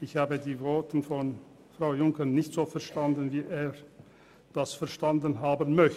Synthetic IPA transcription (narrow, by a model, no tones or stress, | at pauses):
ɪçhaːbədiːvɔɐtn̩fɔn | fʁ̥aʊjʊŋkənɪçtz̥oːfɛɐʃtandən̩viːʔeːɐ | d̥asfɛɐʃtandənɦaːbənmœç